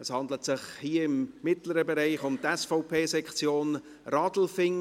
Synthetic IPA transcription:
əshɑndlətsɪχhiːɪmːɪtləɾəbɛɾaɪχʊmt̪ɛsfɔʊpʰeːsɛkχt͡sjoːn | rɑdl̩fɪŋ

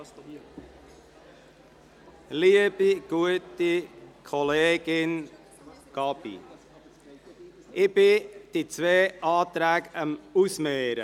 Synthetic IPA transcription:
liəb̥iɡ̥uətikʰɔleːɡ̥ɪn | ɡ̥ɑbḭ | ɪb̥ɪd̥it͡sveːʔɑːt̪ɾæːɡəmusmeːɾə̰

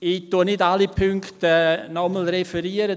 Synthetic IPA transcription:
ituːnɪdalipʰʏŋktənɔməl̩ɾɛfəɾiəɾə

